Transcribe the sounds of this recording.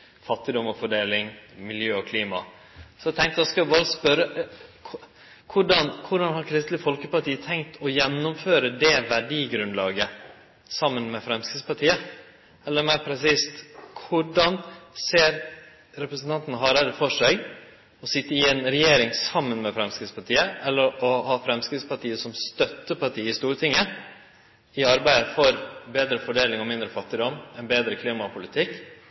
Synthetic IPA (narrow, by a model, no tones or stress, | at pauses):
fɑt̪ːɪd̪ɔmɔfɔɖeːlɪŋmɪljøːɔkʰliːmɑ̰ | sɔæt̪ʰɛŋkt̪d̪ɛskɑʋɪbɑːɾəspœɾːə | kʰʊɖɑnkʰʊɖɑnɦɑɾkʰɾɪst̪lɪfɔlkəpɑʈiːət̪ʰɛŋkt̪ʰɔjɛnːʊmføːɾəd̪ɛʋæɖiːɡɾʉnd̪lɑːɡə | sɑmːənmɛfɾɛmskɾɪspɑʈʰiːə | ɛlːəɾmæɪɾpʰɾɛsiːst̪kʰʊɖɑnseːɾ | ɾɛpɾəsn̩t̪ɑnt̪nəɦɑːɾɛd̪əfɔʂæɪ | ɔsɪt̪ːəɪɛnɾɛjeːɾɪŋsɑmːənmɛfɾɛmskɾɪspʰɑʈiːəʔɛlːəɾɔhɑːfɾɛmskɾɪt̪spɑʈiːəsɔmst̪œt̪ːəpɑʈʰiːəɪst̪uːɾt̪ʰɪŋːə | ɪɑɾbæɪd̪əfɔɾbeːd̪ɾəfɔɖeːlɪŋɔmɪnd̪ɾəfɑt̪ːɪd̪ɔmɛnbeːd̪ɾəkʰliːmɑpʰʊlɪt̪ʰɪkː